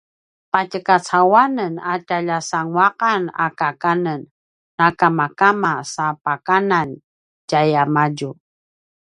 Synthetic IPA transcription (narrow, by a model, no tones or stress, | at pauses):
pacəkat͡sawanənataʎasaŋwaqana̰kakanənː | akamakamasapakanan | d͡ʒajamaɟu